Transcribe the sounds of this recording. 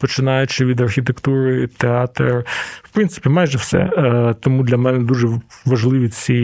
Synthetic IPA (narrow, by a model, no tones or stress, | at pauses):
pɔt͡ʃɪnɑjʊt͡ʃɪʋʲid̪ɐrxʲit̪ekt̪uɾɪt̪eɑt̪rwpɾɪnsɪ̥pʲimɑjʒɛwsɛ̰t̪ɔmud̪lʲɐmɛnɛd̪uʒɛʋɐʒlˠɪʋʲit͡sʲi